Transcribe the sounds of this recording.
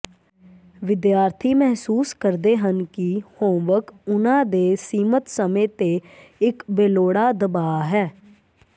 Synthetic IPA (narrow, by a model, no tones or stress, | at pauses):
ʋɪd̪jaːɾt̪ʰiːmɛɦsuːskəɾd̪eːɦənkihõːʋəkʊnãːd̪eːsiːmət̪səmẽːt̪eːɪkbeːloːɽaːd̪əbaːɦɛː